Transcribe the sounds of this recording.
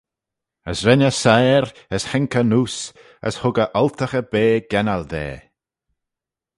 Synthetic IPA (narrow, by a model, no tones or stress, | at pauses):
əsɾɛnəsajɾ | əshɛŋkənuːs | ə̰shʊɡəʔɔlt̪ʰəxəbeːɡ̥ɛnald̪ḛː